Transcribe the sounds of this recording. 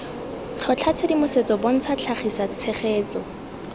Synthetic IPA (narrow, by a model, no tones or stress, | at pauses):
t͡ɬʰɔt͡ɬʰat͡sʰedimʊset͡sɔbon̩t͡sʰat͡ɬʰaχisat͡sʰeχeːt͡sɔ